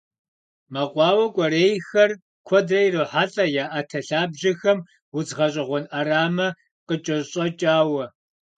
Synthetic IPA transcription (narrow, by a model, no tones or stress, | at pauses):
mɐqʷʼɑːwɐkʷʼɔɾeːjxɐr | kʷʰɔdrɐjrɨħaɬʼɐjaːʔatʰɐɬaːbʑɪxɐm | wʊzʁɐɕʼɪʁʷɔnʔɐɾaːmɐ | qət͡ʃʼɐɕʼɐt͡ʃʼaːwɐ